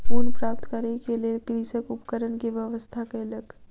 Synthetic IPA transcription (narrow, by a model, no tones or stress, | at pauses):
puːnpɾaːp̚t̪kəɾnekeliekɾiːsəkʊpkəɾənkiʋjəʋəst̪ʰakelək